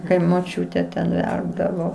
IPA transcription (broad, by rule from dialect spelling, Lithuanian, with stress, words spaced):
kɐɪ moːˈt͡ʃʲuːtʲɛ tʲɛn ˈʋʲɛrbdɐʋoː